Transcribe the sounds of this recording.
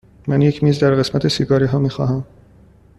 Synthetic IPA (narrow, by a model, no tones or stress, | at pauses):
mænjecʰmiːzd̪æɾɢe̞smæt̪ʰe̞siɡɒːɾiːɦɒːmiːxɒ̰ːɦæm